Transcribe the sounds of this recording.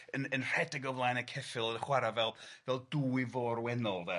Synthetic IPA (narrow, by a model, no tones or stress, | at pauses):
ənənr̥ɛdɛɡɔvlˠaːjnəkʰɛfɪlˠənəχwaɾavɛlˠvɛlˠduːivɔːɾwɛnɔlˠðɛ